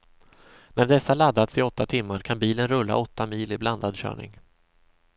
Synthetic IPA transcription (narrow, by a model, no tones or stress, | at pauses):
næɖɛsːalad̪ːat̪sɪɔt̪ːat̪ʰɪmːaɾkʰanbiːlənɾɵlːa̰ʔɔt̪ːamiːlɪbland̪ad̪ɕœ̰ːɳɪ̰ŋ